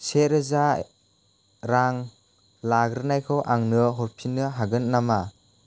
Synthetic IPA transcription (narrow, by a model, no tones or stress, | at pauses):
seɾɯza | ɾaŋ | laɡɾɯnajkʰɯwʔaŋnɯɦɔɾpʰinɯɦaɡɯnːama